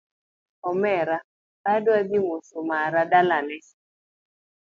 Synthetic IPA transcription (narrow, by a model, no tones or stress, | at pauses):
ɔmɛɾa | padwadimosomaɾadalanɛ